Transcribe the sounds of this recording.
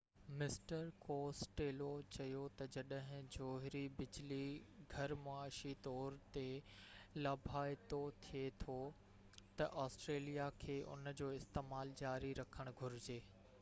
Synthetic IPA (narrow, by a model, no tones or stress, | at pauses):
mɪsʈəɾkoːsʈeːlot͡ɕɐjot̪ɐd͡ʑɐɗɦɪ̃d͡ʑoːɦɾibɪd͡ʑliɡʱɐɾmoaːʃit̪ɔːɾt̪elɐbʱaːt̪ot̪ʰijet̪ʰo | t̪ɐʔɔːsʈɾeːlijakʰeːʔʊ̰nd͡ʑoːɪst̪eːmaːld͡ʑaːɾiɾɐkʰəɽ̃ɡʱʊɾɪd͡ʑeː